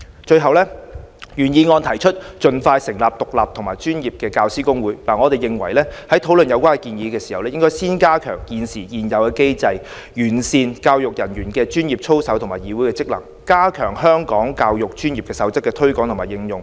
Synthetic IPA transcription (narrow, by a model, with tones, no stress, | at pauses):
t͡ʃɵ˧ɥɦɐ˨wlɛː˥jyː˨˩njiː˨˧ŋɔː˧nt̪ʰɐ˨˩jt͡ʃʰɵ˥t̚t͡ʃɵ˧nfaː˧jsɪ˨˩ŋlaː˨p̚t̪ʊ˨k̚laː˨p̚t̪ʰŋmaː˨˩jt͡ʃyː˥njiː˨p̚kɛː˧kaː˧wsiː˥kʊ˥ŋwuː˨˥jlaː˨˩ŋɔː˨˧t̪e˨jɪ˨ŋwɐ˨˩jlɛː˥hɐ˨˥jt̪ʰo˨˥wlɵ˨njɐ˨˧wkʷaː˥ŋkɛ˧kiː˧njiː˨˧kɛː˧si̥˨˩ɐ˨wlɛ˥jɪ˥ŋkɔː˥jsiː˥nkaː˥kʰœː˨˩ŋkiː˨nsiː˨˩jiː˨˩njɐ˨wkɛː˧ke˥jt͡sɐ˧j | jyː˨˩nsiː˨nkaː˧wjʊ˨k̚jɐ˨˩njyː˨˩nkɛː˧t͡ʃyː˥njiː˨p̚t͡ʃʰo˥wsɐ˨˥wt̪ʰʊ˨˩ŋmaː˨˩jiː˨˥wu˨˥jkɛː˧t͡sɪ˥k̚lɐ̰˨˩ŋ | kaː˥kʰœː˨˩ŋhœː˥ŋkɔː˨˥ŋkaː˧wjʊ˨k̚t͡ʃyː˥njiː˨p̚kɛː˧sɐ˨˥wt͡sɐ˥kːɛː˧t̪ʰɵ˥ɥkɔ˨˥ŋt̪ʰʊ˨˩maː˨jɪ˧ŋjʊ˨ŋ